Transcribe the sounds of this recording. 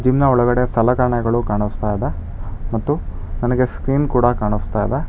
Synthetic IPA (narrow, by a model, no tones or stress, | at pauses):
d͡ʒimnɐɔɭɐɡɐɽeɐsɐlɐkɐɾɳɐɡɐɭukaːɳust̪aːjd̪e | mɐt̪ːu | nɐnɐɡeskɾiːnkuːɽɐkaːɳust̪aːjd̪e